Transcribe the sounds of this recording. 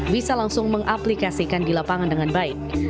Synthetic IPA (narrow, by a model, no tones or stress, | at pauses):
bisalaŋsʊŋməŋʔaplikasikandilapaŋandəŋanbaɪk̚